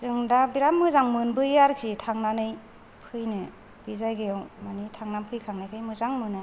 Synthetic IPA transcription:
zɯŋdabiɾamːɯzaŋmɯnbɯjaɾkʰitʰaŋnanɯj | pʰɯjnɯ | bizajɡɯjawmanitʰaŋnampʰɯjkʰaŋnajkʰajmɯzaŋmɯnɯ

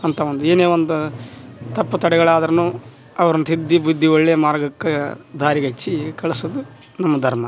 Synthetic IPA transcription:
ɐnt̪ʰɐʋond̪ueːneːʋond̪ut̪ɐpːɐt̪ɐɽɛɡɐɭaːd̪ɐɾɐnuː | ɐʋɐɾɐnːut̪id̪ːibud̪ʱːioɭːejɐmaːɾɡɐkːed̪ʱaːɾiɡɐt͡ʃːikɐɭɐsud̪u | nɐmːɐd̪ʱɐɾmɐ

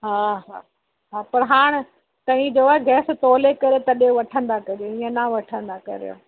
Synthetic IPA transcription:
ɦaːɦaː | ɦaːpɐɾɦaːɽ̃ | t̪ɐ̃ɦĩd͡ʑoːaɛɡɛːs̆t̪oːlekɐɾet̪ɐɗjõʋɐʈʰə̃nd̪akɐɾijoĩːə̃naʋɐʈʰə̃nd̪akɐ̰ɾijo̰ː

